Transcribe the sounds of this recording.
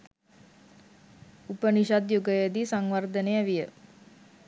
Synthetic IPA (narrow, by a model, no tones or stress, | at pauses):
upəniʃad̪juɡəjəd̪isaŋʋard̪əneæʋijə